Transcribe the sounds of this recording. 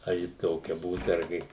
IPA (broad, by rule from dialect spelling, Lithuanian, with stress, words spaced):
ɐr ˈjɪ ˈtoːkʲɛ ˈbuːt ɐrʲˈɡʲɪ